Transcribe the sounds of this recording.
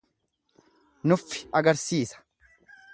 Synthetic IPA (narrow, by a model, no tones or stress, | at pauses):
nʊfːɪ̥ɐɡɐɾsiːsɐ̥